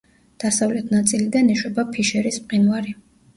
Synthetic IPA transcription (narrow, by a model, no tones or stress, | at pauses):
d̪̥asavlɛt̪ʰnat̪sʼilid̪aniʃwɛbapʰiʃɛɾispqʼinvaɾi